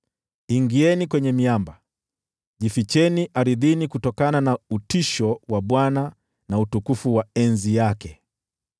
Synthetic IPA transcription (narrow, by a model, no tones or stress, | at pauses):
iŋɡiɛnikwɛɲɛmiamba | ʄifit͡ʃɛniʔaɾiðinikutɔkananautiʃɔwaɓwana | nautukufuwaɛnzijakɛ